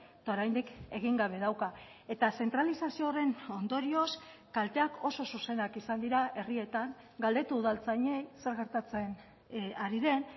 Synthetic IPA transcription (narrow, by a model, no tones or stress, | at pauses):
et̪ao̞ɾajnd̪ike̞ɣ̞iŋɡaβ̞e̞ðawka | e̞t̪ase̞nt̪ɾalisasio̞re̞no̞nd̪o̞ɾio̞skalt̪e̞ako̞so̞suse̞nakisand̪iɾaʔe̞rie̞t̪aŋ | ɡald̪e̞t̪uːðalt͡saɲe̞jse̞ɾɣeɾt̪at͡se̞n | aɾiðe̞n